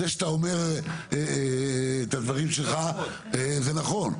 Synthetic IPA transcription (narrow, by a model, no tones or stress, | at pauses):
eʃt̪aomeʁeː | t̪ad̪vaʁimʃelχa | ezenaχo̞n